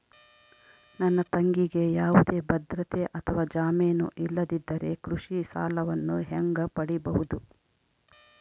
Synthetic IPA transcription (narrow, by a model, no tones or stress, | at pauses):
nɐnːɐt̪ɐŋɡiɡe̞jaːʋud̪e̞ːbɐd̪ɾɐt̪eʔɐt̪ʰɐʋaːd͡ʒaːmeːnṵʔilːɐd̪id̪ːɐɾe̞kɾuʂisa̰ːlɐʋɐnːuɦɛŋɡɐpɐɽibɐɦud̪u